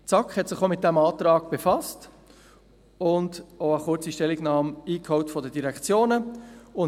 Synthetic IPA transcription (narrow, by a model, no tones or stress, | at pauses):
t͡sɑkχhɛtsɪχomɪt̚d̥æmɑːtɾɑːɡ̥b̥efɑst | ʊndoəχʊt͡siʃtɛlːɪɡnɑːmiːkhɔʊtfɔdədiɾɛkt͡sjoːnəʊn